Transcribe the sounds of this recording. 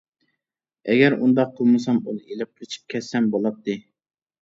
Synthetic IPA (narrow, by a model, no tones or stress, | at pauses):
ɛɡʲɛɾund̪ɑq̚qʰəlˠmɨsɑmunɨelɪp̚qʰɾt͡ʃʰi̥p̚kʲʰɛsɛmbolˠɑp̚t̪ʰːɨ